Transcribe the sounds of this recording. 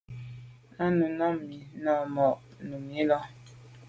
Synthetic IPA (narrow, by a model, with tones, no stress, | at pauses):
a˦nu˨nɔ˦mi˨nɔ˦˨mɔ˨ʔnu˨mi˦lɔ˦